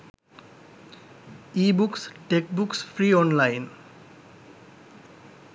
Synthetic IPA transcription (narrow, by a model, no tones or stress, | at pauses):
ibuksʈek̚buksfʰɾiɔnlajn